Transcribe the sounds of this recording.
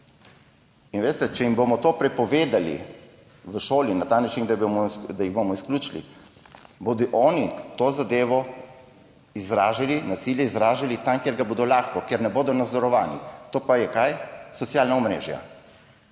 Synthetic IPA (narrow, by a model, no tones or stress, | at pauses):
inʋeːst̪ɛt͡ʃɛimboːmɔt̪oːpɾɛpɔʋeːd̪alḭ | ʋəʃoːlinat̪aːnat͡ʃind̪abmd̪ajiɣbomɔiskluːt͡ʃlḭ | boːd̪ɔʔɔːnit̪oːzad̪eːʋɔ | izɾaːʒalinasiːljɛizɾaːʒalit̪amkjeɾɡaboːd̪ɔlaːxkɔkjeɾnɛboːd̪ɔnad̪zɔɾɔʋaːnḭt̪oːpajɛkajsɔt̪sjaːlnaɔmɾḛːʒja̰